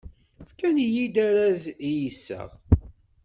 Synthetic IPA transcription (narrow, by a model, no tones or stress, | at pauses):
fkænjid̪æɾæzjisːə̰ʁ